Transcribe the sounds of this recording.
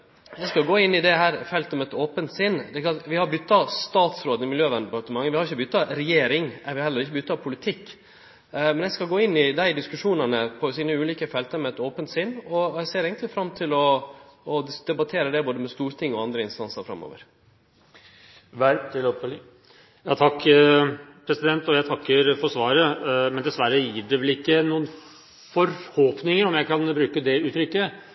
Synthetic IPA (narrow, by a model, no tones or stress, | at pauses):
jæɪskɑlɡoːɪnːɪd̪ɛɦæːɾfɛlt̪əmɛt̪oːpənt̪sɪnːd̪ɛklɑt̪ʋɪhɑɾbʏt̪ːɑst̪ɑːt̪sɾoːd̪ɪmɪljøːʋɛnd̪əɛpɑɾt̪əmɑŋːəʋɪhɑɾʊçːəbʏt̪ːɑɾɛjeːɾɪŋæʋɪhɛlːəɾɪçːəbʏt̪ːɑpʰʊlɪt̪ʰɪkː | mɛnjɛskɑlɡoːɪnːɪd̪æɪd̪ɪskʉʂuːnənəpʰɔsiːnəʉːliːkəfɛlt̪əɾmɛɛt̪oːpənt̪sɪnːɔɛɪseːɾɛɡənt̪lɪfɾɑmːt̪ʰɪlɔː | d̪ɛbɑt̪ʰeːɾəd̪ɛboːd̪əmɛst̪uːɾt̪ʰɪŋːɔɑnd̪ɾəɪnst̪ɑnsəɾfɾɑ̰mːo̰ːʋə̰ɾ | ʋæɾt̪ʰɪl | jɑːt̪ʰɑkː | pʰɾɛsɪd̪ɛnt̪ɔjæɪt̪ʰɑkːəɾfɔɾsʋɑːɾəmɛnd̪ɛsʋæɾəjɪːɖɛʋɛlɪkːənuːən | fɔɾhoːpnɪŋəɾɔmjæɪkɑnbɾʉːkəd̪ɛʉːt̪ʰɾʏkːə